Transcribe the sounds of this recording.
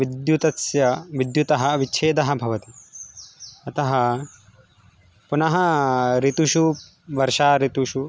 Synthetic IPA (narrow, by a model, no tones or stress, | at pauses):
ʋid̪jut̪ɐsjɐʋid̪jut̪ɐɦɐʋit͡ʃʰeːd̪ɐɦɐ̆bʱɐʋɐt̪i | ɐt̪ɐɦɐ | punɐɦɐ̆ɾit̪uʃu | ʋɐɾʃaːɾit̪uʃu